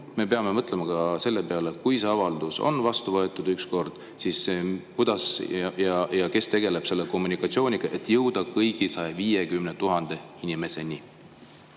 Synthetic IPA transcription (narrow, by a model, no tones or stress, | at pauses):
me̞pe̞ɑme̞mɤt̪ˑle̞mɑɡ̥ɑse̞lːe̞pe̞ɑlekujse̞ɑvɑld̪̥uso̞̰nvɑst̪uvɤet̪ːˑud̪̥yksko̞rd̪̥ | sisepud̪̥ɑsɑjɑjɑke̞st̪e̞ɡ̥e̞le̞b̥se̞lːeko̞mːunikːˑɑt̪sio̞ːnʲiɡ̥ɑʔe̞t̪ːˑjɤwd̪̥ɑkɤjɡ̥isɑjeviːjekymnet̪uɦɑnd̪̥e̞inime̞se̞ni